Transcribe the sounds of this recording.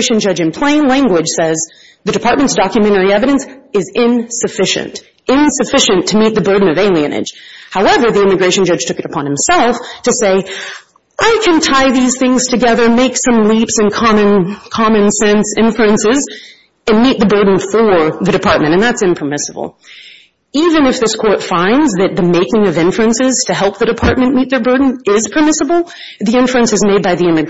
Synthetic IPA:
ɪʃɨ̃n̩d͡ʒʌd͡ʒɨ̃npʰl̥ẽɪ̃nlæ̃ŋɡwɨd̥ʒ̥sɛz | ðɨdɨpʰɑɹt̚mɨ̃ntsd̥ɑkjɨmɛ̃ɾ̃ɛɹiɛvɨɾɨ̃nsɨzɪ̃nsɨfɪʃɨ̰̃nt | ɪ̃nsɨfɪʃɨ̃ntʰɨmit̪̚ðɨbɜ˞dⁿn̩ʌveɪlˠiɨ̰̃nɪ̰d̥ʒ̥haʊɛvə˞ðiɪ̃mɨɡɹeɪʃn̩d͡ʒʌd̥ʒ̥tʰʊkɨɾəpʰɑ̃nhɨ̃msɛlˠftʰɨseɪ | ʔaɪkʰɨ̃ntʰaɪðiz̥θɪ̃ŋz̥tʰɨɡɛðə˞meɪksʌ̃mlipsɨ̃nkʰɑmɨ̃nkʰɑmɨ̃nsɛ̃nsɪ̃ɱfʉɨ̃nsɪz | ɨ̃nmit̪̚ðɨbɜ˞dⁿn̩fə˞ðɨɾɨpʰɑɹt̚mɨ̃ɾ̃ɨ̃nðætsɨ̃mpʰə˞mɪsəbl̩ˠ | ivɨ̃nɨfðɪskʰɔɹtfãɪ̃ndzðɨt̪̚ðɨmeɪkɪ̃ŋʌvɪ̃ɱfɹɹɨ̃nsɪz̥tʰɨɦɛlˠp̚ðɨɾɨpʰɑɹt̚mɨ̃nmit̪̚ðə˞bɜ˞dⁿn̩ɪz̥pʰə˞mɪsəbl̩ˠ | ðiɪ̃ɱfɹɨ̃nsɨzmeɪd̚baɪðiɪ̃mɨɡ

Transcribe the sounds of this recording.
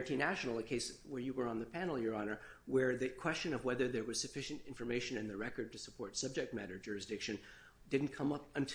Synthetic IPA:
ɨntinæʃnl̩ˠəkʰeɪswə˞jɨwə˞ə̃nðɨpʰænl̩ˠjə˞ɑnə˞ | wə˞ðɨkʰw̥ɛst͡ʃɨ̃nʌvwɛðə˞ðə˞wʌz̥sɨfɪʃɨ̃ntɪ̃ɱfə˞meɪʃɨ̃nɨ̃nðɨɹɛkə˞d̚tɨsəpʰɔɹtsʌb̚d͡ʒɛk̚t̚mæɾə˞d͡ʒʊɹɨsd̥ɪkʃɨ̃n | d̥ɪdⁿn̩kʰʌ̃mʌpɨ̃ntʰ

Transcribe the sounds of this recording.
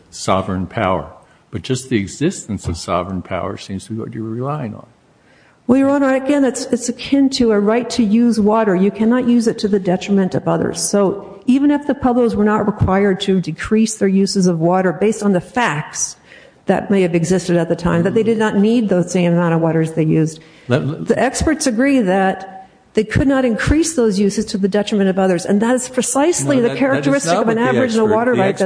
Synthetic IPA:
sɑ̰vɹə̃npʰa̰ʊə̰˞ | b̥ʌt̚d̥ʒ̥ʌst̪̚ðiɨɡzɪstn̩sʌv̥sɑ̰vɹə̃npʰa̰ʊə̰˞sĩmz̥tʰəbiwʌ̰t͡ʃəilaɪɪ̰̃ŋ̰̃n̩ | wɛlˠjə˞ə̃nɹaɪɾɨɡɛ̃nɨtsɨtsɨkʰɪ̃ntʰɨɨɹaɪtʰɨjʉzwɔɾə˞jɨkʰænəʔjʉzɨtʰɨðɨdɛt͡ʃɹ̥əmɨ̃ntʌvʌðə̰˞z̥soʊ | ivɨ̃ñɨfðɨpʰʌbloʊzwə˞nət̚ɹɨkʰw̥aɪə˞d̚tʰɨdɨkʰɹ̥isðə˞jʉzɨzʌvwɔɾə˞beɪstn̩ðɨfæk̚ts | ðɨ̰t̚meɪɨvɨɡzɪstɨɾɨt̪̚ðɨtʰãɪ̃mðɨt̪̚ðeɪdɨdⁿnətⁿnid̪̚ðoʊz̥sẽɪ̃məmãʊ̃ɾʌvwɔɾə˞zðeɪjʉz | ðiʔɛkspə˞tsɨɡɹiðɨt̪̚ | ðeɪkʰɨdⁿnəɾɨ̃nkʰɹ̥isðoʊzjʉsɨz̥tʰɨðɨdɛt͡ʃɹ̥ɨmɨ̃ɾ̃ʌvʌðə˞zɨ̰̃nðəɾɨz̥pʰɹ̥ɨsaɪsliðɨkʰɛɹɨk̚tə˞ɪstɨkʌvɨ̃nævə˞ɨd͡ʒɨ̃nəwɔɾə˞ɹaɪt̚ðɨ

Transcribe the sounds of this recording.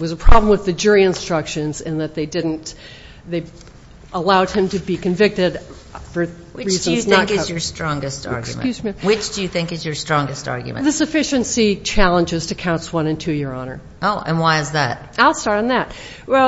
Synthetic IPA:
wʌzəpʰɹ̥ɑblə̃m̩wɨðɨd͡ʒʊɹiɨ̃nstɹ̥ʌkʃɨ̃nzɨ̃nðɨt̪̚ðeɪdɪdⁿn̩t | ðeɪ | ʔəlaʊd̚ɨ̃mtʰɨbikɨ̃ɱvɪk̚tɪd | fə˞ | ɹizɨ̃nzñŋkɨzjə˞stɹ̥ɔ̃ŋɡɨstɑ̰ɹksjkm̰jʉzmiwɨt͡ʃd̥ɨjɨθɪ̃ŋkɨzjə˞stɹ̥ɔ̃ŋɡɨstɑ̰ɹɡj̰mɨ̰̃ðɨsɨfɪʃɨ̃nsit͡ʃʰælˠə̃nd͡ʒɨz̥tʰɨkʰãʊ̃nswʌ̃nɨ̃ntʰʉjɪɹɑnə̰˞ | oʊʔɨ̰̃nwaɪɨzðæ̰t̚aɪlˠstɑɹɾn̩ðæt̚ | wɛlˠ

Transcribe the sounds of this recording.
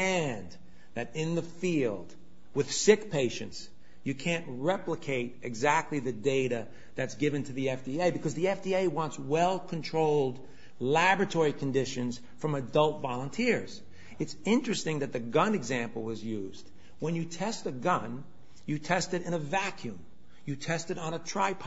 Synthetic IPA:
ɨ̃n | ðɨɾɪ̃nðɨfilˠd̚ | wɨð̥sɪkpʰeɪʃɨ̰̃nts | jɨkʰæ̃nʔ̚ɹɛpləkʰeɪɾɨɡzæk̚tˡliðɨdeɪɾɨ | ðɨtsɡ̥ɪvɨ̃ntʰɨðiɛfd̥ieɪbɨkʰʌzðiɛfd̥ieɪwɑ̃ntswɛlˠkʰɨ̃ntʰɹ̥oʊlˠd | læbɹɨtʰɔɹikʰɨ̃n̩dɪʃɨ̃nz̥ | fɹʌ̃mɨdʌlˠtvɑlˠə̃ntʰɪɹz̥ | ɨtsɪ̃nt͡ʃɹ̥ɨstɪ̃ŋðɨt̪̚ðɨɡʌ̃nɨɡzæ̃mpl̩ˠwʌzjʉzd̥ | wə̃njɨtʰɛstɨɡʌ̃n | jɨtʰɛstɨɾɨ̃ñɨvækʰjʉ̃m | jɨtʰɛstɨɾn̩ətʰɹ̥aɪpʰ

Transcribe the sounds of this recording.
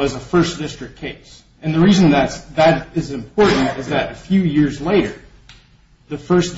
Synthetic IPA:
ʌzəfɜ˞sd̥ɪstɹ̥ɨk̚kʰeɪs | ɨ̃nðɨɹizɨ̃nðɨtsðɨɾɪzɨ̃mpʰɔɹʔn̩tɪzðɨɾɨfjʉjɪɹzleɪɾə˞ | ðɨfɜ˞sd

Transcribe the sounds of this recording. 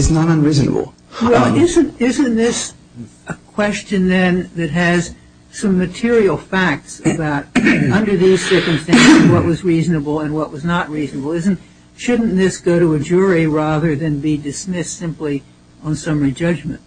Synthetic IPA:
ɨznənʌ̃nɹiznə̰bl̩ˠ | wɛlˠɪzɨ̃ntɪzɨ̃nðɪs | ʔəkʰw̥ɛst͡ʃɨ̃nðɨ̃nðɨt̚ɦɨz̥ | sʌ̃mːɨtʰɪɹil̩ˠfæk̚tsɨbaʊɾʌ̃ndə˞ðiz̥sɜ˞kɨ̃mstæ̃nsɪzwʌʔ̚wʌzɹiznɨbl̩ˠɨ̃nwʌʔ̚wʌznət̚ɹiznəbl̩ˠɪz̃n̩t | ʃʊdⁿn̩ðɪsɡ̥oʊɾəɨd͡ʒʊɹiɹæðə˞ðɨ̃nbidɨsmɪstsɪ̃mpli | ə̃nsʌ̃mɹid͡ʒʌd͡ʒmɨ̰̃nt̚

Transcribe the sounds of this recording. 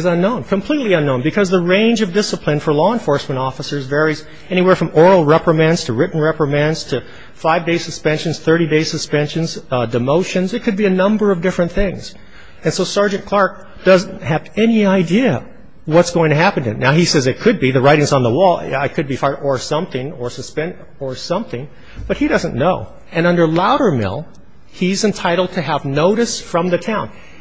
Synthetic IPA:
ɨzʌ̃nːõʊ̃nkʰɨ̃mpʰl̥itˡliʌ̃nːõʊ̃nbɨkʰʌzðɨɹẽɪ̃nd͡ʒʌvdɪsəpʰlɨ̃nfə˞lɔə̃nfɔɹsmɨ̃ɾ̃ɔfəsə˞zvɛɹiz | ɛñiwɛɹfɹʌ̃mɔɹl̩ˠɹɛpɹɨmæ̃ndz̥tʰɨɹɪʔn̩ɹɛpɹɨmæ̃ndz̥tʰɨ | faɪvdeɪsɨspɛ̃nʃɨ̃n̩z̥θɜ˞ɾideɪsɨspɛ̃nʃɨ̃nz̥dɨmoʊʃɨ̃nzɨt̚kʰɨd̚biɨnʌ̃mbə˞ʌvdɪfɹɨ̃nθɪ̃ŋz̥ | ɨ̃nsoʊsɑɹd͡ʒɨ̃nkʰl̥ɑɹk̚ | d̥ʌzn̩thɨvɛniaɪdiɨ | wʌtsɡ̥oʊɪ̃ŋtʰɨɦæpɨ̃n̩tɨ̰naʊisɛzɨt̚kʰɨd̚biðɨɹaɪɾɪ̃ŋzn̩ðəwɔlˠaɪkʰɨd̚bifɑɹə˞sʌ̃mθɪ̃ŋə˞sɨspɛ̃n | ə˞sʌ̃mθɪ̃ŋ | b̥ʌt̚hiɾʌzɨ̃nːoʊ | ɨ̃nʌ̃ndə˞laʊɾə˞mɪ̰lˠ | izɨ̃ntʰaɪɾl̩ˠd̚tʰɨəvnoʊɾɨsfɹʌ̃mðɨtʰãʊ̃n

